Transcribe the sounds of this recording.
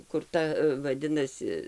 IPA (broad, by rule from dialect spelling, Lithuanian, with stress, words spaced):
kʊr ˈtɐ ʋɐˈdʲɪnɐsʲɪ